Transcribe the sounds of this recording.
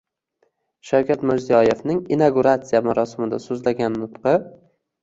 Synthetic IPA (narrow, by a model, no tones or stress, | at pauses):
ʃawkʲʰat̪mɪɾzijɒje̞vnɪŋinaɡuɾat̪sijamaɾɒsɪmɪd̪asɵzlaɡʲanːʊt̪qɨ